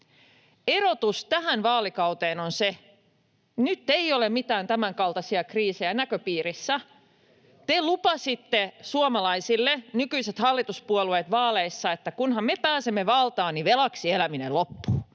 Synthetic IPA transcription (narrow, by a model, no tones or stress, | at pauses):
eɾot̪ust̪æɦænʋɑːlikɑwt̪eːnonse | nyt̪ːeiolemmit̪æːnt̪æmæŋkɑlt̪ɑsiɑkriːsejænækøpiːrisːæ | t̪elupɑsit̪ːesuomɑlɑisilːenykyiset̪hɑlːit̪uspuolueːt̪ʋɑːleisːɑet̪ːækunhɑmmepæːsemːeʋɑlt̪ɑːniʋelɑksielæminellopːuː